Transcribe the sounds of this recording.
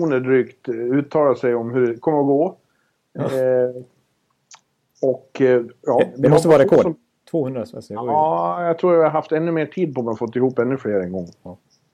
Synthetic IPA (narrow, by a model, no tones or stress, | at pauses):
uːnəɖɾyːkt̪ʉ̟ːt̪ʰːɑːlasɛjɔmhɵɖɛkʰɔmːəɾɔɡoː | ɔkjɑːd̪ɛɔt̪əvɑɾakʰoː | t̪ʰvoːɵnd̪ɾasɛ̰sɑːjɑɡt̪ʰɾuːɾavɪaɾɦaft̪ɛnːɵmeːʈʰiːd̪̚pʰɔɔmanaɾfɔt̪ːɪhuːpːɛnːɵfleːɾɛŋɡɔŋː